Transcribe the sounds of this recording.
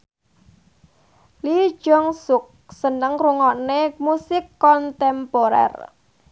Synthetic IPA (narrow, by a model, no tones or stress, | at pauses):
li̥ʒ̥ɔŋsʊk̚sənəŋruŋɔnemusɪkːɔnt̪ɛmpoɾɛ̰r